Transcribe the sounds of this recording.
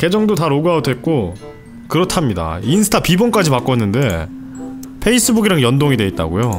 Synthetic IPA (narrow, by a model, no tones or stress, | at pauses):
ke̞d͡ʑʌŋdotaɾoɡaodwe̞t̚k͈o | kɯɾʌtʰamɲida̰insʰɯ̥tʰapibʌnk͈ad͡ʑimak͈ʌnːɯnde̞ | pʰe̞is͈ɯbuɡiɾaŋjʌndoŋidwe̞it̚t͈a̰ɡo̰jo